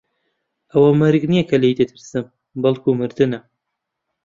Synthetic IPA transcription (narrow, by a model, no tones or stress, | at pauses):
ɐwɐmɐɾɡnijɐkʰɐlejd̪et̪ʰɨɾsɨm | bɐlˠkʰumɨɾd̪ɨnɐ